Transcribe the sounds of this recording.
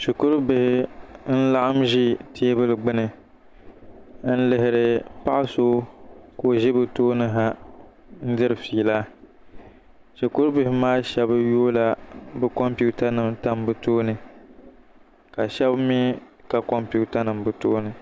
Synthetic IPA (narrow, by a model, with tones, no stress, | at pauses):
ʃi˨kʊ˦ɾʊ˦bɪ˨hɪ˦n̩˦la˦ʔa˦mʒi˦tʰi˦e˦bɨ˦lɨ˨ɡ͡bɨ˦nɨ˨ | n̩˦lɪ˨ɦɪ˨ɾɨ˨pa˦ʔɪ˦so˦ko˨ʒɪ˦bɨ˨toː˦nɨ˦ɦa˦ | n̩˦dɨ˦ɾɨ˨fiː˨la˦ | ʃi˨kʊ˦ɾbɪ˨hɪ˦maː˦ʃɛ˨bjoː˦la˦bɨ˦kɔ˦mpu˦ta˦nɨ˨mta˦mbɨ˦toː˦nɨ˨ | ka˨ʃɛ˦bmi˦ka˨kɔ˦mpu˦ta˦nɨ˨mbɨ˦to̰ː˦nɨ˨